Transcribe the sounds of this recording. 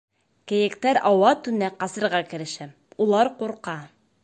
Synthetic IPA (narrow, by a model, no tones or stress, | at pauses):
kɘ̆jɘ̆kt̪æɾɑwɑt̪ʉnæqɑsɤ̆ɾʁɑkɘ̆ɾɘ̆ʃæ | ulˠɑɾquɾqɑ